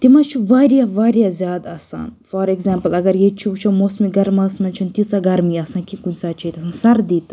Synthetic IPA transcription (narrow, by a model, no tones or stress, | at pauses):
t̪imɐt͡ʃʰuʋaːɾʲijɐʋaːɾijɐzʲjaːd̪ɐsa̰ːnfoɾeɡzaːmpɐlɐɡɐɾjet͡ʃʰiut͡ʃʰɐmoːsmiɡɐɾmɐsmɐnt͡ʃʰunt̪it͡saɡɐɾmiɐsãːnkikunʲsaːt͡ʃʰɐjt̪ɐsãːnsɐɾd̪it̪